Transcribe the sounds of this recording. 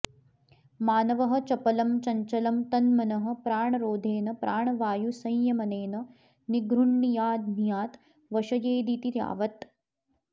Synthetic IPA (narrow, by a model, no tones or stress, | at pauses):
maːnɐʋɐɦɐ̆t͡ʃɐpɐlɐmt͡ʃɐɲt͡ʃɐlɐmt̪ɐnmɐnɐɦɐ̆pɾaːɳɐɾoːd̪ʱeːnɐpɾʔaːɳɐʋaːjusɐ̃jjɐmɐneːnɐ | niɡɾuɳːijaːd̪ʱnjaːt̪ | ʋɐʃɐjeːd̪it̪iɾja̰ːʋɐt̪